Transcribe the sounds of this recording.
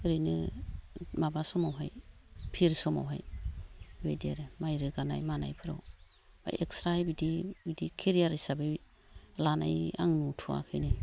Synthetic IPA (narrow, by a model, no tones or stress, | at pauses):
ɾɯjnɯ | mabasɔmawɦajpʰiɾsɔma̰wɦa̰j | bejdiaɾemajɾɯɡana̰jmana̰jpʰɯɾa̰w | b̥a̰jʔekstɾahajbidibidikʰeɾijaɾisabe | lana̰ja̰ŋnutʰua̰kʰɯjnɯ